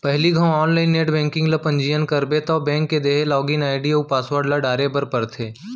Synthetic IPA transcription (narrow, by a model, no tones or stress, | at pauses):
pɛɦliɡʱɐ̃ɔːnlaːɪnːeːʈbɛ̃ːŋkɪ̃ŋɡlɐpə̃ɲd͡ʒijənkəɾbet̪ɔːbɛ̃ːŋkːed̪eːɦelɔːɡɪnaːɪɖijaupaːsʋəɾɖlaɖaːɾebəɾpəɾt̪ʰeː